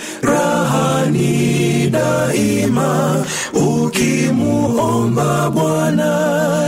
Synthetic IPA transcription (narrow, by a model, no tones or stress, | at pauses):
ɾaɦaniɗaima | ukimuɔmbaɓwana